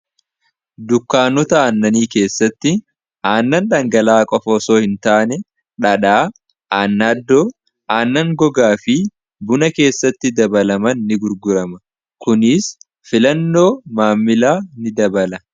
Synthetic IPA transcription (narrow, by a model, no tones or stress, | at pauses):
d̪ʊkːaːnɔt̪ɐaːnːɐniːke̞ːsːɐt̪ːɪ | aːnːɐnᶑɐŋɡɐlaːkʼɔfɔsoːhɪnt̪aːnɛ | ᶑɐᶑaː | ʔaːnːaːd̪ːoː | ʔaːnːɐŋɡɔɡaːfɪ | bʊnɐke̞ːsːɐt̪ːɪd̪ɐbɐlɐmɐnːɪɡʊɾɡʊɾɐmɐ | kʊnɪs | fɪlɐnːo̞ːmaːmːɪlaːnɪd̪ɐbɐlɐ